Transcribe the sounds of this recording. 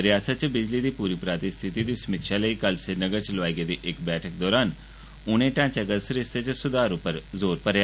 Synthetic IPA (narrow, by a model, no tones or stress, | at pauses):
əɾjaːsət̪̚t͡ʃbɪd͡ʒliːd̪iːpuːɾiːpɾaːt̪ist̪ʰɪt̪id̪iːsəmikʃaːləiːkəlsenəɡəɾt͡ʃlʋaːɡed̪iːʔɪkbɛːʈʰək̚d̪ɔːɾaːn | ʊñẽːʈãːt͡ʃəɡəst̪ɾɪst̪et͡ʃsʊd̪aːɾʊpəɾzoːɾpəɾja